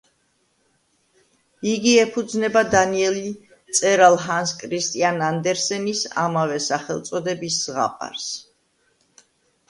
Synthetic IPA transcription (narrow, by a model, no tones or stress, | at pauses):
iɡiɛpʰud̪znɛbad̪aniɛli | t̪sʼɛɾalˠɦanskʼʰɾist̪ʼianand̪ɛɾsɛnisa̰mavɛsaχɛlˠt̪sʼɔd̪ɛbisːʁa̰pʼa̰ɾs